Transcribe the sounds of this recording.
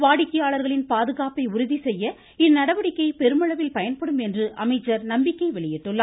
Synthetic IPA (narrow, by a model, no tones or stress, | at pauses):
ʋaːɽɪkːɐjaːɭɐɾɣɐɭɪnpaːðɯɣaːpɐɪʊɾʊðisɛjːɐ | ɪnːɐɽɐʋɐɽɪkːɐɪpɛɾɯmɐɭɐʋɪlpɐjɐnpɐɽɯmɛndrɯʔɐmɐɪt͡ʃːɐɾnɐmbɪkːɐɪʋɛɭɪjɪʈːɯɭːɐː